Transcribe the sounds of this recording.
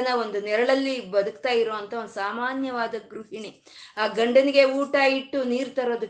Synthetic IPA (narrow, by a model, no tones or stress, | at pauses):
ɐnɐond̪unɛɾɐɭɐlːibɐd̪ukt̪aːjiɾoːʋɐnt̪ɐond̪usaːmaːnjɐʋaːd̪ɐɡɾuɦini | aːɡɐɳɖɐniɡe̞uːʈaːjiʈːuniːɾt̪ɐɾoːd̪u